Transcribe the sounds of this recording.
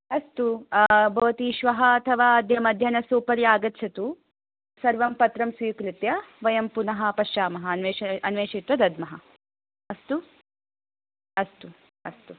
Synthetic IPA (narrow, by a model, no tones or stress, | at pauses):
ɐst̪ubʱɐːt̪iʃʋɐɦɐːt̪ʰɐʋaːɐd̪ʱjɐmɐd̪ʱjɐnɐsuːpɐɾjaːɡɐt̪ːʃʰɐt̪u | sɐɾʋɐmpɐt̪ɾɐmsʋiːkɾit̪jɐʋɐjɐmpunɐɦɐ̆pɐʃt͡ʃaːmɐɦɐnʋeːɐnʋeːʃit̪ʋɐd̪ɐd̪mɐɦɐ | ɐst̪u | ɐst̪u | ɐst̪u